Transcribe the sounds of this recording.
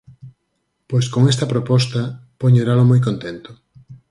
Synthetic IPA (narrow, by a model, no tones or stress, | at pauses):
pojskoŋest̪ɐpɾopɔst̪ɐpoɲeɾalomojk̬õnt̪ent̪o̥